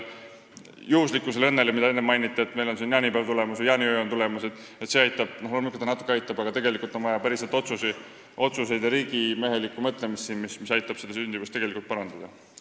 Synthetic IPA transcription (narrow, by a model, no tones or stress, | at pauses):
juhuslikːˑuselɤnːe̞lemid̪ɑenːemːɑjnit̪ːˑeet̪ːme̞jlo̞nsinjɑːnipælt̪ule̞musujɑːniøjont̪ule̞mused̪̥ | et̪seɑjt̪ːˑɑb̥noholmikːot̪ɑnɑt̪ːˑu̥kːˑeɑjt̪ːˑɑbɑɡ̥ɑt̪e̞ɡe̞likˑult̪o̞nvɑjɑpæɾiset̪ːˑo̞t̪susi | ʔo̞t̪suse̞jd̪̥jɑɾiːɡ̥ime̞ɦe̞likːˑumɤt̪ˑle̞mist̪ːsinmismisɑjt̪ːˑɑb̥sed̪̥ɑsynʲd̪ivust̪e̞ɡ̥elikult̪̚pɑɾɑnd̪̥ɑd̪̥ɑ